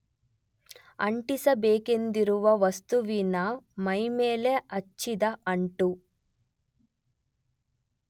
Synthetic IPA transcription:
ɐ̰ɳʈisɐbeːke̞nd̪iɾuʋɐʋɐst̪uʋinɐmɐjmeːleɐt͡ʃːid̪ɐɐɳʈu

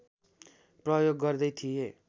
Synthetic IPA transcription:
prʌjoɡːʌrd̪ʌjt̪ʰie

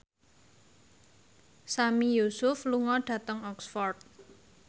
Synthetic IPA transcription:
samijusʊfluŋɔɖ̥ä̤t̪əŋɔksfɔrt̪̚

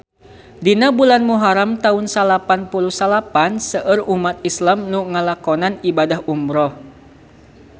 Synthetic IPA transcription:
dinabulanmuɦaɾamt̪aunsalapanpuluhsalapansəʔərumat̪̚islamnuŋalakɔnanibadaɦumɾɔh

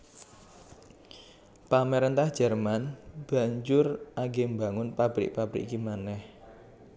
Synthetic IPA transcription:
pamɛɾɛnt̪ahd̥ʒ̥ɛrmanb̥a̤ɲd͡ʒʊrʔaɡembaŋʊnpab̥ɾɪ̰k̚pab̥ɾḭkkimanɛh

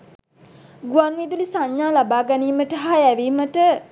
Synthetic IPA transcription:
ɡuanʋid̪ulisaɲːaːlabaːɡɛniːməʈəɦaæʋiːməʈə

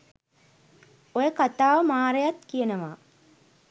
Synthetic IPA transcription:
ojəkat̪aːʋəmaːɾejat̪kijənəʋaː

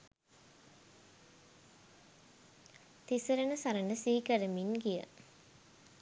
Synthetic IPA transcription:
t̪isəɾənəsaɾənəsiːkəɾəminɡijə̰

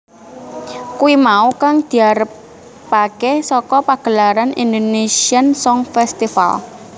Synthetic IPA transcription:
kuwimaukaŋd̪̥i̤aɾəpː | akɛsɔkɔpaɡ̥əlaɾanḭnd̪onesiansɔŋfɛst̪ifa̰l

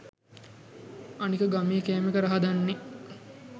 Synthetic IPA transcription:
anikəɡamijəkæːmekəɾaɦad̪anːe

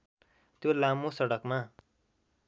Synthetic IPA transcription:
t̪jolamosʌɽʌkma

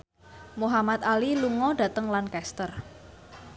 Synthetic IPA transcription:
muɦamat̪̚aliluŋɔd̥ä̤t̪əŋlankɛst̪ər

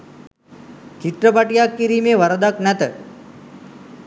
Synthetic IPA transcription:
t͡ʃiʈ̪ɾəpaʈijakːiɾiːmeːʋɐɾəd̪aknɛt̪ə

